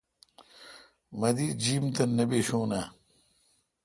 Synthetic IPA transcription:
mɐd̪iːd͡ʑiːmt̪ɐnɐbeɕoːna

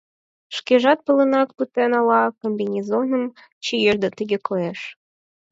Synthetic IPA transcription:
ʃkʲeʒɑt̪̚pə̆lə̆nɑk̪̚put̪enɑlɑkombʲinʲizonəm | t͡ɕijeʒd̪ət̪əɡʲekʰojeʃ

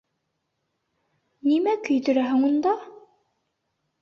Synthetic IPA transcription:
nimækɵ̆jt̪ɵ̆ɾæɦɘŋund̪ɑ

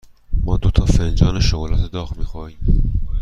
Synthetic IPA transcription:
mɒːd̪ot̪ʰɒːfend͡ʒɒːneʃoɣlɒːt̪ʰed̪ɒːɣmiːxɒːiːm

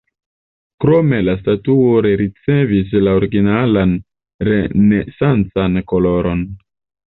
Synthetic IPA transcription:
kɾo̞me̞lastatuoɾeɾit͡se̞vis̬laoɾiɡinalan | ɾe̞nesant͡sanko̞lo̞ɾo̞n

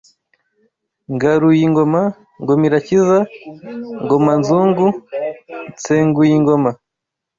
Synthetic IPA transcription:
ŋɡaɾujiŋɡoma | ŋɡomiɾaciza | ŋɡomanzuːŋɡu | t͡seːŋɡujiŋɡo̞ma

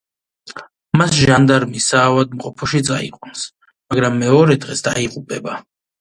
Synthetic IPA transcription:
masʒand̪aɾmisaːvad̪̚mqʼɔpʰɔʃid̪sʼaḭqʼwuns | maɡɾamːɛɔɾɛd̪ʁɛsd̪aiqʼupʼɛba

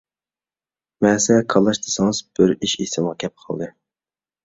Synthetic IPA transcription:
mɛːsɛkʰɑlˠːɑʃd̪ʰɨ̥sɨŋɨz̥b̥ɪɾiʃisɪmʁɑkʲʰɛp̚qʰɑlˠd̪ɨ

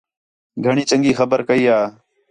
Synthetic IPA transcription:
ɡʱəɳiːt͡ʃəŋɡiːxəbəɾkəiːaː

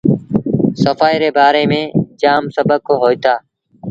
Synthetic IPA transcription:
səfaːiːɾeːbaːɾeːmẽːd͡ʒaːmsəbəkːoːɦoːit̪aː

